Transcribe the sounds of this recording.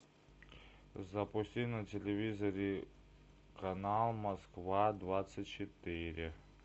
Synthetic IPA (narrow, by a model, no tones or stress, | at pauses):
zɐpʊsʲtʲinɐtʲɪlʲɪvʲizəɾʲɪ | kɐnalˠmɐskvad̪vat̪sɨtʲt͡ɕɪt̪ɪɾʲɪ